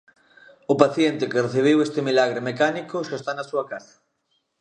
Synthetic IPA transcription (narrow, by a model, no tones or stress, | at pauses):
ʊpaθjent̪ɪkɪreθiβ̞ewest̪ɪmilaɣ̞ɾemekanikosest̪anasuakasḁ